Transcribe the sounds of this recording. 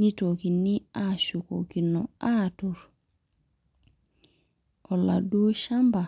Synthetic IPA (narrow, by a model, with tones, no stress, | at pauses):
ni˦to˨ki˨ni˦a˦ʃu˨ko̰˨ki˨nɔ˨a˦tu˨ɾ | ɔ˨la˨do˦ʃa˦mba˨